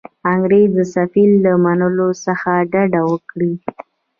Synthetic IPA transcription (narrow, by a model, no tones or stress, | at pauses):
aŋɡɾed̪əsafilːamanəlosəxaɖaɖawəkɽi